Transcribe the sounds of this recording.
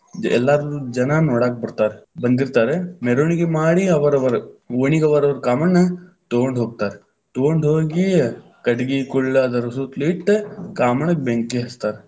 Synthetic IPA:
d͡ʒḛlːaɾuɾud͡ʒɐnanoːɽaːk̚bɐɽt̪aːɾbɐnd̪iɾt̪aːɾemeɾoːnikimaːɽiɐʋɐɾɐbɐɾoːnikɐʋɐɾʋɐɾkaːmɐɳɐ | t̪oːɳɖ̪ʱoːk̚t̪aːɾ | t̪oːɳɖ̪ʱoːɡi | kɐʈɡikulːɐd̪ɐɾsut̪liːʈːkaːmɐɳɐk̚beŋkiɦɐst̪aːɾ

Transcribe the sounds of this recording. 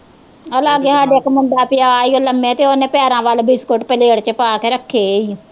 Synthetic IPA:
əlaːɡeːsaːɖeːəkmənd̪aːpɪjaːiːoːləmːẽt̪eːonẽːpɛːɾãːʋaːlbɪskoʈpəleːɽt͡ʃəpaːkeːɾəkʰːeːiː

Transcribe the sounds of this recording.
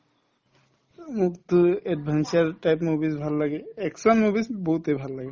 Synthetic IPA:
mukt̪eɖbʱant͡ʃaɾʈajpmubisbʱallaɡeɛksanmubisboɦut̪ebʱalːaɡe

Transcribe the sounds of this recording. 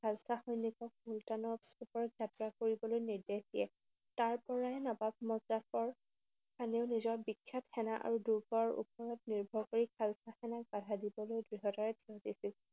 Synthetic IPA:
kʰalsaxɔjnikɔk̚multanɔ | upɔɹɔɡatɹakoɹibɔlojniɹdehdijɛ | taɹpɔɹaɛnɔbab̚mɔzdakɔɹ | tʰaneʊnizɔɹbikʰːatxɛnaʔa̰ɹuduɡɔɹṵpɔɹɔt̚niɹbʱɔkoɹikʰalsaxɛnak̚batadibɔlojdɹiɦɔtaɹɛtʰiɔdisil

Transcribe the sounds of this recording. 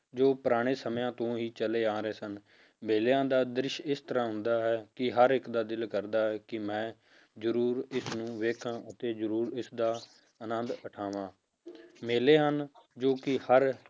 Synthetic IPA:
d͡ʒoːpəɾaːɽ̃eːsəmjãːt̪õːɦiːt͡ʃəleːaːɾeːsən | meːljãːd̪aːd̪ɾɪʃɪst̪əɾãːɦʊ̃nd̪aːɦɛːkɪɦəɾɪkd̪aːd̪ɪlkəɾd̪aːɦɛːkɪmɛ̃ː | zəɾuːɾɪsnũːʋeːkʰãːʔət̪eːzəɾuːɾɪsd̪aː | ənənd̪əʈʰaːʋãː | meːleːɦənd͡ʒoːkɪhəɾ

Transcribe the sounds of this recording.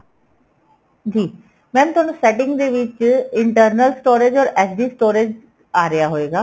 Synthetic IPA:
d͡ʒiː | mɛ̃ːñt̪ʊaːnũːsɛːʈɪ̃ŋɡd̪eːʋɪt͡ʃɪɳʈəɾnəlsʈoːɾeːd͡ʒɔːɾɛːsdiːsʈoːɾeːd͡ʒ | aːɾəjaːɦoːeːɡaː

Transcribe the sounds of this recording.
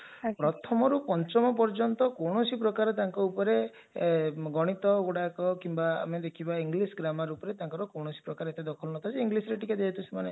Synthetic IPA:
pɾɔt̪ʰɔmɔɾupɔnt͡ʃɔmɔpɔɾd͡ʒɔnt̪ɔkowɽ̃ɔsip̬ɾɔkaɾɔt̪aŋkɔupɔɾe | ɡɔɽ̃it̪ɔɡoɽakɔkimbaa̰med̪ekʰibaiŋɡlisɡɾamaɾupɔɾet̪aŋkɔɾɔkowɳɔsi̥pɾɔkaɾet̪ed̪ɔkʰɔlɔnɔt̪ʰad͡ʒeiŋɡlisɔɾeʈikad̪eɦit̪ʰusemane

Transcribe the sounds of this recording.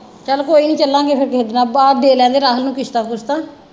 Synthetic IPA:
t͡ʃəlkoːiːnĩːt͡ʃəlːãːɡeːpʰɪɾkeɦd̪naːbaːɖ̪eːlɛ̃ːnd̪eːɾaːɦəlnũːkɪst̪aːkʊst̪aː

